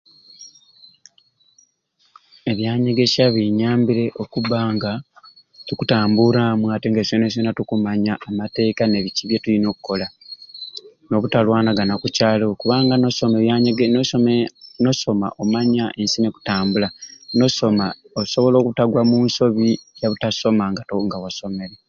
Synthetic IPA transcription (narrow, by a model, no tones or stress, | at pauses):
e̞βjaːɲe̞ɡe̞ʃaβiɲaːmbiɾe̞ʔo̞kuβaːŋɡa | tukutaːmbuɾamwaːteŋɡesones̬onatukumaɲaːmate̞ːkane̞βiciβje̞tulino̞ːku̥ko̞la | no̞βutalwaːnaɡanakucaːlokuβaːŋɡanosomeaeɡe | noso̞ma̰ʔomaɲaʔe̞nsineku̥taːmbulanosoma | oso̞βo̞lo̞ːkutaɡwamuːnso̞βijaβutaso̞maŋɡatoŋɡawaso̞me̞ɾe